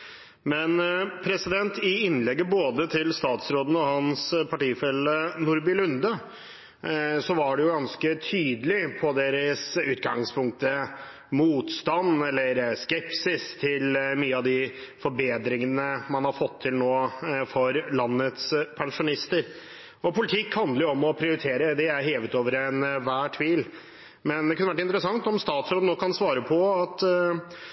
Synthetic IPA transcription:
mɛnpʰɾɛsɪd̪ɛnt̪ɪɪnːlɛɡːəboːd̪ət̪ʰɪlst̪ɑːt̪sɾoːd̪ənəɔhɑnspʰɑʈiːfɛlːənʊɾbɪlʉnd̪ə | sɔʋɑɖɛjʊɡɑnskət̪ʰyːd̪əlɪpʰɔd̪eːɾəsʉːt̪ɡɑŋspʰʊŋk̚t̪ə | muːt̪st̪ɑnːɛlːəɾskɛpsɪst̪ʰɪlmyːəɑʋd̪ɪfɔɾbeːd̪ɾɪŋənəmɑnhɑɾfɔt̪ʰːɪlnoːfɔɾlɑnːət̪spʰɛŋʂʊnɪst̪əɾ | ɔpʊlɪt̪ʰɪkːhɑnd̪əjʊɔmɔpʰɾɪʊɾɪt̪ʰeːɾəd̪ɛæɾɦeːʋət̪oːʋəɾɛnʋæːʈʰʋiːl | mɛnd̪ɛkʉnəʋæʈ̬ːɪnt̪əɾəsɑŋt̪ɔmst̪ɑːt̪sɾoːd̪ənoːkɑnsʋɑːɾəpʰɔɑt̪

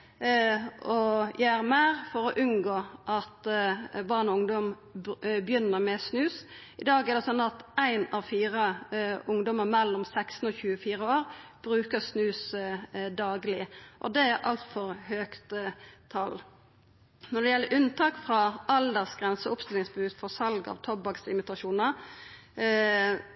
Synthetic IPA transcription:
ɔjʔææɾmæːʁfɔɾɔʔʉnɡoːʔɑt̪bɑːʁnɔʊŋd̪ɔm | bjʏnːəɾmɛsnʉːs | ɪd̪ɑːɡɛʁd̪ɛsɔnːɑt̪æɪnɑʋfiːɾəʊŋd̪ɔməʁmɛlːɔmsækst̪n̩ɔːçʉːəfiːɾəoːɾb̥ɾʉːkəʁsnʉːs | d̪ɑːɡlɪʔɔ̰d̪ɛæɾʔɑlt̪fɔɾhøːkt̪t̪ʰːɑl | nɔd̪ɛjɛlːəʔʉnt̪ʰɑːkfɾɑɑld̪əʁsɡ̥ɾɛnsəʊpst̪ɪlɪŋsbʉːt̪fɔʁsɑlɡɑ̰ʋt̪ʰɔbɑksɪmɪt̪ɑʃuːnəɾ

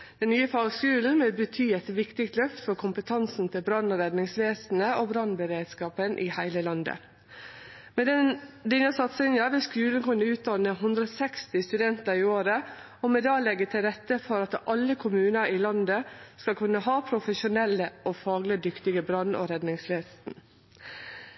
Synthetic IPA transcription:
d̪̥ɛnnyːəfɑːɡskʉːln̩meːbət̪ʰyːɛt̪ʋɪkt̪ɪkt̪lœft̪fɔɾkʰʊmpət̪ʰɑnsn̩t̪ʰɪlbɾɑnːɔɾɛd̪nɪŋsʋeːsn̩əobɾɑnbəɾeːd̪skɑːpənʔɪhæɪləlɑnd̪ə̰ | mɛd̪ɛnəsɑt̪sɪnəʋɪskʉːlən̩kʉnːəʉːt̪̚d̪ɑnəɦʉnd̪ɾɔsɛkst̪ɪst̪ʉd̪ɛnt̪əɾɪoːɾə | ɔmɛd̪ɑːlɛɡət̪ʰɪlɾɛt̪ːəfɔɾɑt̪ɑlːəkʰʊmʉːnəɾiːlɑnd̪əskɑlkʰʉnːəɦɑːpʰɾʊfəʃʊnɛlːəoːfɑːɡlɪd̪ʏkt̪ɪɡəbɾɑnɔ̰ɾɛd̪nɪŋsʋeːsn̩

